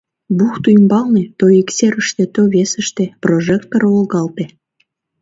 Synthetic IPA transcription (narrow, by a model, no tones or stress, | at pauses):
buxt̪ujmbɑlnet̪ojikseɾəʃt̪et̪oβesə̆ʃt̪ĕproʒek̚t̪̚ːoɾolɣɑlt̪e